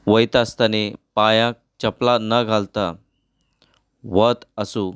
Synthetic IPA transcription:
ʋəjt̪ast̪anepajãk̚t͡ɕəplanəɡʱalt̪a | ʋət̪əsu

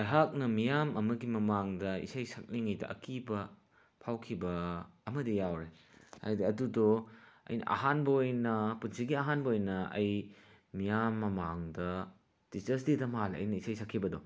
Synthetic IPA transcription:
ajɦak̚nɐmijamɐmɐɡimɐmaŋdɐḭsɐjsɐk̚niŋɐjdɐ̰ʔɐ̰kibɐ | pʰawkʰibɐːmɐdijawɾe | ha̰jdiɐdudoɐ̰jnɐ̰ʔɐ̰ɦanbɐojnɐpunsiɡiɐɦanbɐojnɐɐj | mijamːɐmaŋdɐ | tistɐs̬didɐmalɐ̰jnɐisajsɐkʰːibɐdɔ̰

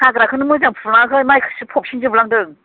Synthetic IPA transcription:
aɡɯɾakʰɯnɯmɯzaŋpʰulaŋakʰɯjmajkʰɯ̥sɯpʰɔp̚sʰind͡ʒɯbɯlaŋdɯŋ

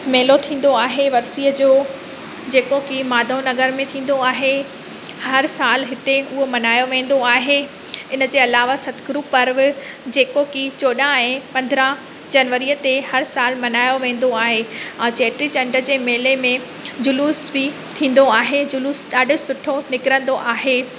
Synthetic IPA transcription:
meːlot̪ʰĩːn̆d̪oaːɦeʋɐɾsiːəd͡ʑoː | d͡ʑeːkokimaːd̪ʱõnɐɡəɾmẽt̪ʰĩːn̆d̪oaːɦe | hɐɾsaːlɦɪt̪eʊɦomɐnaːjoʋẽːn̆d̪oaːɦe | ɪnəd͡ʑeːɐlaːʋasɐt̪ʰɡɾuːpːɐɾʋɪ | d͡ʑeːkokit͡ɕoːɗãɛ̃ːpɐ̃nd̪ɾãɦ | d͡ʑɐnʋəɾiət̪ehɐɾsaːlmɐnaːjoʋẽːn̆d̪oaːɦeãːt͡ɕeːʈɾit͡ɕɐ̃ɳɖəd͡ʑeːmeːlemẽ | d͡ʑʊluːsbɪ | t̪ʰĩːn̆d̪oaːɦed͡ʑʊluːsɗaːɖɪsʊʈʰonɪkɪɾə̃nd̪oʔaːɦeː

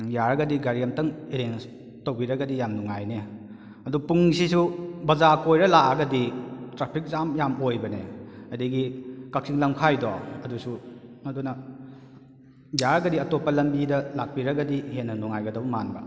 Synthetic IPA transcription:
jaɾɐɡɐdiɡaɾijɐmtɐŋeɾen | towbiɾɐɡɐdijamnuŋajne | ɐdupuŋsisubɐzakojɾɐlaʔɐɡɐditɾapʰik̚zamjamojbɐneɐdiɡikak̚siŋlɐmkʰajdɔ̰ɐdusumɐdunɐ | jaɾɐɡɐdiɐtopːɐlɐmbidɐlak̚piɾɐɡɐdihenːɐnuŋajɡɐdɐbumanbɐ̰

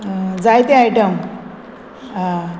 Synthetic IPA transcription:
d͡zajt̪eajʈəm | a

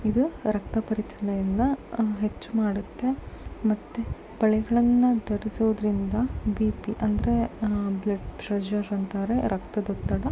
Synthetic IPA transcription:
id̪uɾɐk̚t̪ɐpɐɾit͡ʃɐnɐjɐnːɐɦe̞t͡ʃːumaːɽut̪ːe̞mɐt̪ːe | b̥ɐɭɛɡɐɭɐnːɐd̪ɐɾisuʋud̪ɐɾind̪ɐbiːpiʔɐnd̪ɐɾeblɐɖpɾɐd͡ʒɐɾːɐnt̪aːɾeɾʔɐkt̪ɐd̪ɔt̪ːɐɽɐ

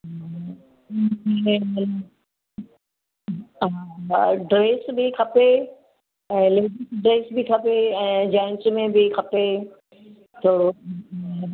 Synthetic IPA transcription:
ɐn | ɖɾeːsbɪkʰɐpe | ɛ̃ːlɪɖɖɾeːsbɪkʰɐpeɛ̃ːd͡ʑaːɪ̃nsmẽbɪkʰɐpe | t̪ʰoː

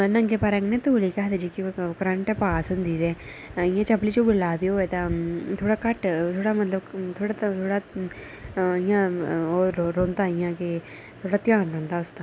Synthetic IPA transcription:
ləŋɡeːpaːɾə̃ŋɡneːt̪oːliːkɛɦd̪ed͡ʒiːkɪkəɾəɳʈɛpaːsɦʊ̃nd̪iːd̪eːɪjãːt͡ʃəpliːt͡ʃũːbɪlaːb̪eːoːeːt̪ãːt̪ʰoːɽaːkəʈt̪ʰoːɽaːmət̪ləbt̪ʰoːɽat̪t̪ʰoːɽaː | ɪjãːoːɾɾõːnd̪aːɪjãːkɪ | t̪ʰoːɽaːt̪ɪjãːnɾõːnd̪aːʊst̪ã

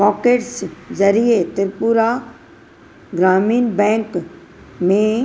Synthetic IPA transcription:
pɔːkeːʈszɐɾiet̪ɪɾpuɾa | ɡɾaːmiːnbɛ̃ːŋk | mẽ

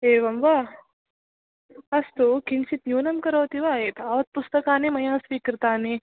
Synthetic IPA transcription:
eːʋɐmʋa | ɐst̪ukinsit̪njuːnɐmkɐɾoːt̪iʋaːeːt̪aːʋɐt̪̚pust̪ɐkaːnimɐjãːsʋiːkɾɨt̪aːni

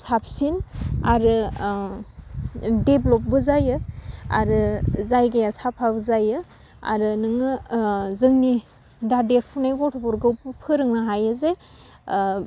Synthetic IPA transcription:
sap̚sinaɾɯ | deblɔp̚bɯzajɯa̰ɾɯzajɡajasapʰabɯzajɯ | a̰ɾɯnɯŋɯzɯŋni | dadeɾpʰunajɡɔtʰɔbɔɾɡɯwpɯpʰɯɾɯŋnaɦajɯze

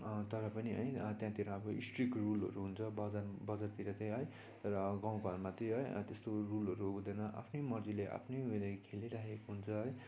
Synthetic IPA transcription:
t̪ʌɾʌpʌniʌ̰jt̪jãt̪iɾʌʌbʌḭsʈrikrulʌ̰ɾuɦunt͡sʰʌbʌd͡zarbʌd͡zart̪iɾʌt̪ʌjɦʌj | t̪ʌɾʌɡãw̃ɡʱʌrmat̪iɦʌj̰t̪est̪orulʌɾuud̪ʌnʌʔa̰pʰnemʌrd͡zileʔa̰pʰnejɦulajkʰeliɾakekoɦunt͡sʰʌj

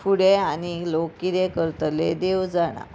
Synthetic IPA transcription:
fuɽeanilokːiɾekəɾt̪əled̪ewd͡zaɽa̰

